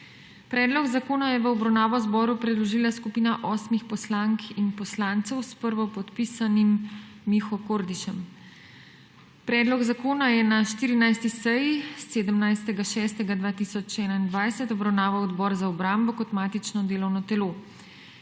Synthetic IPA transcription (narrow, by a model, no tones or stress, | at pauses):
pɾɛːd̪lɔɡzakoːnajɛʋəɔbɾawnaːʋɔzbɔːɾupɾɛd̪lɔʒiːlaskupiːnaʔɔːsmixpɔslaŋkʰinpɔslaːnt̪sɛwspəɾʋɔpɔt̪pisanimː | ixɔkoɾd̪iʃɛm | pɾɛːd̪lɔɡzakoːnajɛnaʃt̪iːɾinajst̪isɛjiseːd̪əmnajst̪ɛɡaʃɛːst̪ɛɡad̪ʋaːt̪isɔt͡ʃɛːnaind̪ʋajsɛt̪ɔbɾawnaːʋawɔd̪bɔːɾzaɔbɾambɔkɔt̪maːt̪it͡ʃnɔd̪eːlɔwnɔt̪ɛloː